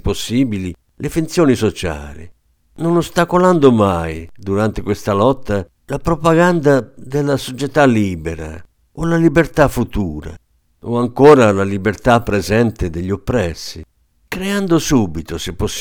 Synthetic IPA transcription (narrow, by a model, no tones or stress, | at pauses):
posːiːbili | lefunt̪sjɔːnisot͡ʃa̰ːlḭ | nonost̪akoland̪ʊmajd̪uɾant̪ekwest̪alɔt̪ːa | lapɾopaɡand̪ad̪ɪlːasot͡ʃɛt̪aliːbɛɾa̰ | olalibert̪afːut̪uːɾa̰ | oaŋkɔːɾalalibert̪apːɾɛzɛnt̪ɪd̪eʎːopːɾɛsːi | kɾeand̪ʊsuːbit̪osɪpːosː